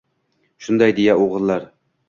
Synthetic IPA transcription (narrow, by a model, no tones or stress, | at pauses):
ʃund̪ɑjd̪ejɛoʁəlˠːɑɾ